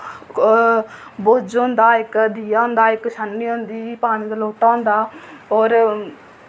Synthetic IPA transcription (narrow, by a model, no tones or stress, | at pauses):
boːd͡ʒoːnd̪aːɪkd̪iːjaːʊ̃nd̪aːɪkʃanːiːõːnd̪iːpaːniːd̪aloːʈãːnd̪aːɔːɾ